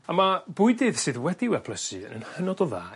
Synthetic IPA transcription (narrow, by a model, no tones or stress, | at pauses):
amab̥ʊɨdɨð̥sɨðwɛdɪwɛpʰləsɨə̰nə̰nhənɔdɔða̰ː